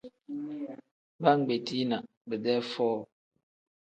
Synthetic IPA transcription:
ba˦ŋ͡m̩˨ɡ͡be˨tʰi˦na˨ʔ | bə˨dɛ˦fɔː˦˨

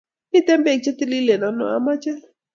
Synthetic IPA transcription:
i˦t̪ɛ˦mbɛ˦˨k̚t͡ʃɛ˦t̪i˦li˦lɛ˨na˨nɔ̰˨a˦ma˦t͡ʃɛ˦l

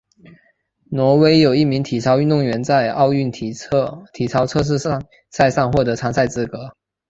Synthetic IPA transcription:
nwɔ˧˥we˧˥ɪjo˨˩ʊi˥˩mi˧˥ŋt̪ʰi˨˩t͡sʰɑ˧˥ʊy˥˧nt̪ʊ˥˩ŋɥɛ˧˥nt͡sa˥˧ɪɑ˥˧ʊy˥˩nʰt̪ʰi˨˩t͡sʰɑ˧˥ʊt͡sʰɤ˥˧ʂ̬̩˥˧ | sa˥˧ɪsɑ˥˧ŋxwɔ˥˩t̪ɤ˧˥t͡sʰɑ˧˥ŋsa˥˧ɪt͡sɹ̩˥˩kɤ˧˥˦

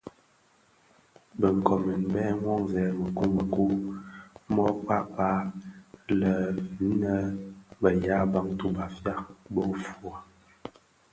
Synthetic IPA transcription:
bə˨ŋ˨kɔ˨mə˨nbɛ˦ŋwɔ˦˨ŋzɛ˨˦mə˨ku˦mə˨ku˦ | mɔ˦k͡pa˦ʔpa˦ | lə˨˦nə˦bə˨ja˦ba˦ŋtu˦ba˨fja˦bɔ˦fu˨a˨

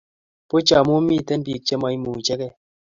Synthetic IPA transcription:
po˦t͡ʃa˨mo˦mi˦˨tɛ˦n˦bi˨k̚t͡ʃɛ˦ma˨˦i˦mu˨t͡ʃɛ˦kɛ˦

